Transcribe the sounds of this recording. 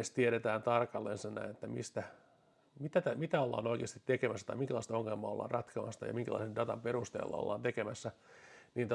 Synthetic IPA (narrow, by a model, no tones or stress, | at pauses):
est̪ieɾet̪æːnt̪ɑrkɑlːensenːæ̰net̪ːæmḭst̪æ | mit̪æt̪æmit̪æolːɑ̰ːnoikeːst̪it̪t̪ekemæsːæ̥t̪ɑ̰imiŋkælɑˑist̪ɑoŋːelmɑːo̰lːɑ̰ːrɑt̪kʰɑmɑst̪ɑ̰jɑ̰miŋkælɑ̰isendɑt̪ɑmperust̪ḛːlːɑ̰o̰lːɑːnt̪ekemæsːæ | niːt̪